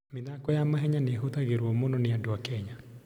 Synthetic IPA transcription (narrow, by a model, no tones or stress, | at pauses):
mɪðakɔjamaɦɛɲaneɦot̪aɣeɾwɔmɔnɔneadwakɛɲa